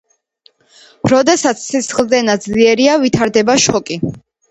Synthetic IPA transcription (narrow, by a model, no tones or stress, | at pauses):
ɾɔd̪ɛsat̪sʰsʰisχlˠzɛnad̪zliɛɾiavit̪ʰaɾd̪ɛbaʃɔkʼi